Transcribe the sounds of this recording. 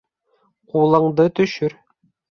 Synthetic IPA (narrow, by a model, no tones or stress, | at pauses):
qulˠɤ̆ɴd̪ɤt̪ɵ̆ʃɵɾ